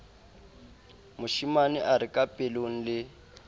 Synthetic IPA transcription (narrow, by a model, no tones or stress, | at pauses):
mʊʃimaniʔaɾɪkʼapʼeloŋ̩lɪ